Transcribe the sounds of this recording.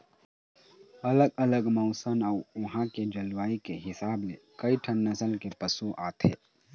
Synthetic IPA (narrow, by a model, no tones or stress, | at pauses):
ɐləɡɐləɡmɔʊsənaːʊɦãked͡ʒɐlwaːikeɦɪsaːblekɐiʈʰənːəsəlkepəsuʔaːt̪ʰḛː